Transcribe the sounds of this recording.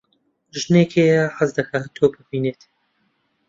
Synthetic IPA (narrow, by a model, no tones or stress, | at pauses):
ʒneːkʰeːjɐħazd̪ɐkɐt̪ʰoːbɨbiːneːt̪